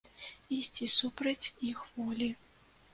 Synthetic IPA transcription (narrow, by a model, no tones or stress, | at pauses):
isʲt͡sʲisupɾɐt͡sʲixvɔlʲi